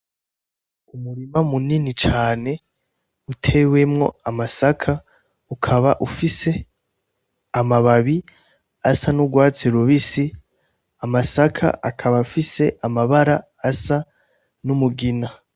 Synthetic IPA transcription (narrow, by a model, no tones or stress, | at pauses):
umuɾimamuninit͡ʃaːne̞ | utʰe̞we̞mŋo̞̰amasakʰa | ukʰaβaʔufise̞ | amaβaβi | asanuɡwaːt͡seɾuβisi | amasakʰa̰ʔakʰaβafise̞ʔamaβaɾa | asa | numuɡina